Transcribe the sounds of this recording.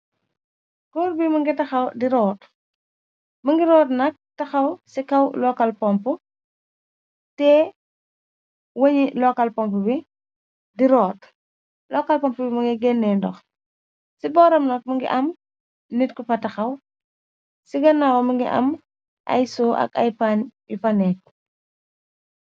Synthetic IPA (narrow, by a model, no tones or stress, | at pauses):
kuɾbimɐŋɡitɐxɐwdiɾɔːt | mɐŋɡiɾɔːtnɐk̚tɐxɐwsikɐwlɔkɐlpɔmpu | tɛ | wɐɲilɔkɐlpɔmp̬ubi | diɾɔːt | lɔkalpɔmpubimɐŋɡiɡɛnːɛndɔ̰x | sibɔːɾɐmnɐk̚mɐŋɡḭʔɐm | nitkupɐtɐxɐw | siɡɐnːawomɐŋɡḭʔɐ̰m | ʔa̰jsoʔɐ̰ka̰jpaːnjufanɛk̚